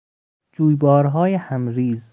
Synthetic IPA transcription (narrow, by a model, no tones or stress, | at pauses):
d͡ʒuːjbɒːɾɦɒːjehæmɾiːz